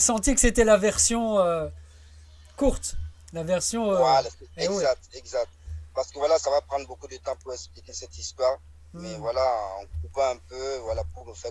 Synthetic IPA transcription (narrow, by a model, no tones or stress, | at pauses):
sɑ̃t̪ikəset̪ɛlavɛʁsjɔ̃ø | kuʁt̪ | lavɛʁsjɔ̃øwaɛzak̚t̪ɛɡzak̚t̪paʁsə̥kəvwalasavapχɑ̃d̪ʁbokud̪ət̪ɑ̃puʁɛksplikʲesɛt̪ist̪waʁ | mɛvwalaɔ̰̃ɡuvɑ̃ɛ̃pøvwalapuʁməfɛ